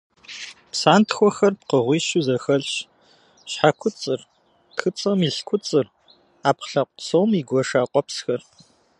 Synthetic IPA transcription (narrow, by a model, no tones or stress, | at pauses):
psaːntxʷɔxɐrpqəʁʷiːʃuzɐxɐɮɕ | ɕħakʷʰʊt͡sʼɨr | txɨt͡sʼɐmiːɬkʷʰʊt͡sʼɨr | aːpχɬɐqʷʼsowmiɡʷɔʂaːqʷʼɔpsxɐr